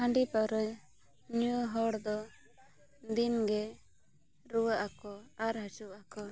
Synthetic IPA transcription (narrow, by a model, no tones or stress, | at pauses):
haɳɖipɔɾə | ɲuuɦɔɽd̪ɔ | d̪inɡɛ | ɾuwaʔakɔaɾɦat͡ʃuʔakɔ